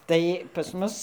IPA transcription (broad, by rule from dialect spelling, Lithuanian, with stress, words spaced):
ˈtɐɪ pɐs ˈmʊs